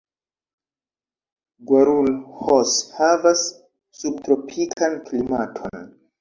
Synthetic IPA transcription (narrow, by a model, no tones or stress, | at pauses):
ɡwaɾulhoshavasː | ub̚tɾo̞pʰikʰanklimatʰo̞̰n